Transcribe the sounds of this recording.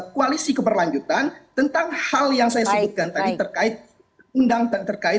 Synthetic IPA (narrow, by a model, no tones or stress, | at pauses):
koalisikəbərlaɲd͡ʒut̪ant̪ənt̪aŋhaljaŋsajasəbut̪̚kant̪adit̪ərkaɪt̪̚ | undaŋtət̪ərkaɪ